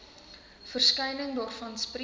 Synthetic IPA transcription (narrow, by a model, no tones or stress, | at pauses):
fərskɛjnəŋdɑːrfɐnspri